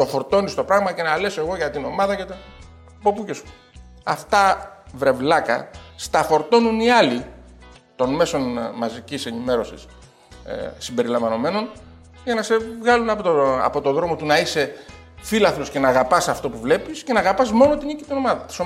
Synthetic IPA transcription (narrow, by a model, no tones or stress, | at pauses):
t̪o̞fo̞ɾt̪o̞nist̪o̞pɾɐɣmɐce̞nɐle̞se̞ɣo̞ʝɐt̪ino̞mɐðɐcet̪ | po̞puces | ɐft̪ɐvɾe̞vlɐkɐ̰st̪ɐfo̞ɾt̪o̞nuniɐli | t̪o̞nme̞so̞nmɐzicise̞nime̞ɾo̞sḭs | simbe̞ɾilɐɱvɐno̞me̞no̞n | ʝɐnɐse̞vɣɐlunɐpoɐ̰po̞t̪oðɾo̞mo̞t̪unɐise̞ | filɐθlosce̞nɐːɣɐpɐsɐft̪o̞puvle̞pisce̞nɐːɣɐpɐzmo̞no̞t̪inicit̪ino̞mɐðɐt̪i̥so